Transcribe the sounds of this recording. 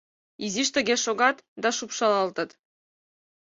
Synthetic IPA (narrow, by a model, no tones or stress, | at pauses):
iziʃt̪ɘ̆ɡʲeʃoɡɑt̪d̪ɑʃupʃɑlˠɑlt̪ɤ̆t̪